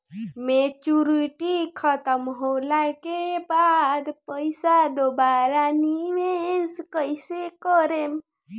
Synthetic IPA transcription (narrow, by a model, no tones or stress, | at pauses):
met͡ʃuɾiʈikʰət̪əmɦolakebad̪pəjsad̪obaɾanimeskəisekəɾem